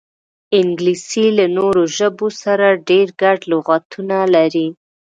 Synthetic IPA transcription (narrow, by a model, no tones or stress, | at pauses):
ɪŋɡlisilanoɾoʒəbosaɾaɖeɾɡaɖlʊɣat̪ʰunalaɾi